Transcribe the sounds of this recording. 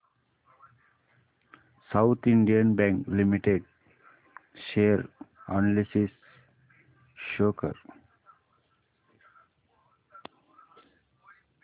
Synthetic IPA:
saʊt̪ʰĩɳɖiə̃nbɛ̃ŋklimiʈeɖ̚ | ʃeəɾɔnalisis | ʃoːkə̰ɾ

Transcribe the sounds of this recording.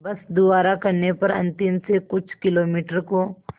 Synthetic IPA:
bɐsd̪ʊʋaːɾakɐɾnepɐɾɐ̰̃nt̪ɪmsekʊt͡ʃʰkɪloːmiːʈəɾko

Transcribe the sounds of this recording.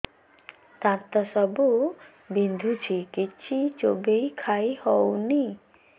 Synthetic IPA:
t̪ãt̪ɔsɔbu | bind̪ʱut͡ʃʰikit͡ʃʰit͡ʃobejkʰajhɔwni

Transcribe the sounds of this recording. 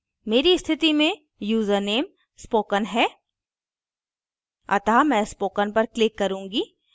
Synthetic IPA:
meːɾist̪ʰɪt̪imẽ | juːzəɾneːm | spoːkənɦɛː | ɐ̰t̪amɛ̃ːspoːkənpɐɾklɪkːɐɾũːŋɡiː

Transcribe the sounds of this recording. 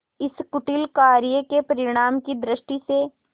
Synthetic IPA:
ɪskʊʈɪlkaːɾijəkepɐɾɪɽ̃aːmkid̪ɾɪʃʈise

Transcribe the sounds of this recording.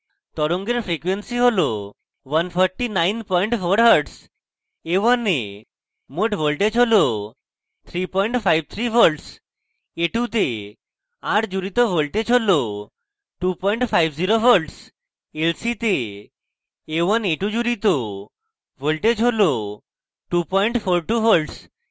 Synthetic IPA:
t̪ɔɾoŋɡeɾfɾekʋensiɦolɔ | ʋənpʰɔɾʈinajnpɔjɳʈfʰoɾɦəɾɖs | eʋəne | moʈʋəlʈed͡ʒɦolɔ | t̪ʰɾipɔiɳʈfʰajb̚t̪ʰɾibʰʱəɾʈs | eʈut̪e | aʈʰd͡ʑuɾit̪ɔʋəɭʈet͡ɕʰolɔ | ʈupɔiɳʈfaijʋd͡ʑiɾofəɾʈs | elsit̪e | ʋəneʈud͡ʑuɾit̪ɔ | ʋəɭʈet͡ʃʰolɔ | ʈupɔiɳʈfʰoɾʈufəlʈs

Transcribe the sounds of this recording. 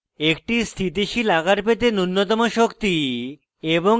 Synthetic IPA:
ekʈist̪ʰit̪iʃilaɡaɾpet̪enunːot̪̬ɔmoʃokt̪i | eboŋ

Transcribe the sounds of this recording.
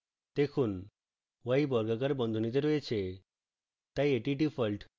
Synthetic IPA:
d̪̥ekʰun | wajbɔɾɡaɡaɾbɔnd̪ʱunit̪eɾojet͡ɕʰe | t̪ajeʈiʈipʰɔlʈ

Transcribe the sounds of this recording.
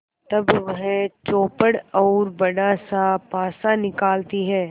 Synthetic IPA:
t̪ɐbʋɐɦt͡ʃoːpəɽɔːɾbɐɽasapaːsanɪkaːlt̪iɦɛː

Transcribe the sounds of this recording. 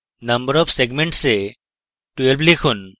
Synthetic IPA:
nɐ̃mbəɾɔfseɡmẽɳʈse | ʈuelblikʰun

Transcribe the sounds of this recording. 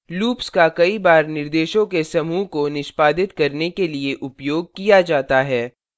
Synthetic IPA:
luːpskakɐibaːɾnɪɾd̪eːʃõkesɐmuːkonɪʃpaːd̪ɪt̪kɐɾnekelieʔʊpjoːɡ̚kijad͡ʒaːt̪aɦɛː

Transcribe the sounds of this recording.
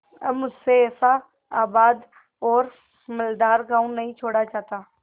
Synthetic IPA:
əmʊseeːsa | aːbaːd̪ | ɔːɾ | mɪld̪aːɾɡaːũnːɐɦĩt͡ʃʰoːɽat͡ʃaːt̪aː

